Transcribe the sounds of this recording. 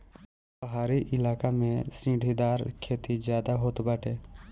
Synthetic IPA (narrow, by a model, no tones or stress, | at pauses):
bəɦaːɾiʔɪlaːkamẽsĩːɖʱid̪aːɾkʰeːt̪izjaːd̪aɦoːt̪baːʈʰeː